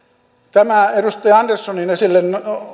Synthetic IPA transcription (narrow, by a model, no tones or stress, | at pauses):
t̪æmæerust̪ɑiɑndersːoninesilːen